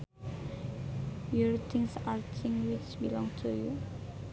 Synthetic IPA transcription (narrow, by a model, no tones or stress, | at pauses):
jɔɹt̪ʰĩŋsaɹtʰĩŋwit͡ʃbilɔ̃ŋtʰuju